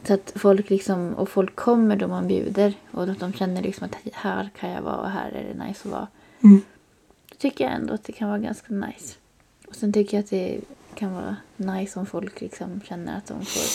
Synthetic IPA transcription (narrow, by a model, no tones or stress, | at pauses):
sɔat̪fɔlkːlɪksɔmɔ̰fɔlkʰːɔmːəɖɔmanbjʉ̟̰ːd̪əɾʔɔd̪ɔmɕɛnːəɭɪksɔmat̪hæːɾkʰanjavɑ̰ːɔ̰ɦæːɾæ̰ɖɛ̰najsɔvɑ̰ː | t̪ʰʏkːəjaɛ̰nd̪oat̪̚d̪ɛkʰanvɑːɾaɡa̰nskana̰js | ɔsɛnt̪ʰʏkːəjaat̪̚d̪ɛkʰanvɑːɾanajsɔmfɔlklɪksɔmɕɛnːəɾat̪̚d̪ɔ̰mfo̰ːɾ